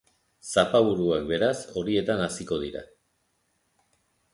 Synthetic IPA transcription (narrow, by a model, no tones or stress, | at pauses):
sapaβ̞uɾuak̚be̞ɾaso̞ɾie̞t̪anasiko̞ðiɾa̰